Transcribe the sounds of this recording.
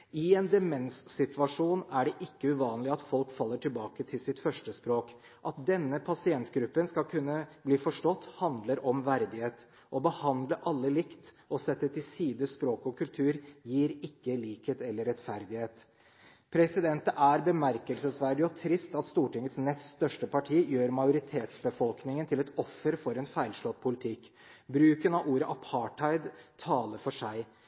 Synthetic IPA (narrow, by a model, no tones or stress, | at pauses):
ɪeːnd̪ɛmɛnsːɪt̪ʋɑʂuːnæɖɛʔɪkːəʉʋɑːnəlɪɑt̪fɔlkfɑlːəʈʰɪlbɑːkət̪ʰɪlsɪt̪fœʂʈəspɾoːk | ʔɑt̪̚d̪ɛnːəpʰɑsɪɛnt̪ɡɾʉpːənskɑlkʰʉnːəbliːfɔʂʈɔt̪ːhɑnd̪ləɾɔmʋæɾd̪ɪheːt̪ | ʔɔbəhɑnd̪ləʔɑlːəlɪkt̪ | ɔsɛt̪ːət̪ʰɪlsiːd̪əspɾoːkɔkʉlt̪ʰʉːɾjiːɾɪkːəliːkheːt̪ɛlːəɾɛt̪fæɾd̪ɪheːt̪ | pʰɾɛsɪd̪ɛnt̪əʔæɾbəmæɾkəlsəsʋæɖɪɔt̪ʰɾɪst̪ɑt̪st̪uːʈɪŋət̪snɛst̪st̪œʂʈəpʰɑʈʰiːjøːɾmɑjʊɾɪt̪ʰeːt̪sbəfɔlknɪŋənt̪ʰɪlɛt̪ɔfːəɾfɔɾɛnfæɪlʂlɔt̪ːpʰʊlɪt̪ʰɪkːbɾʉːkənɑʋʔuːɾəʔɑpʰɑʈʰɑɪd̪t̪ʰɑːləɾfɔʂæɪ